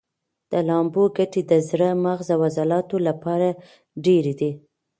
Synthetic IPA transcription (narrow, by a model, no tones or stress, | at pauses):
d̪̥əlɑmboɡaʈed̪əzɾəmaɣzawazalɑt̪olapɑɾa | ɖeɾed̪i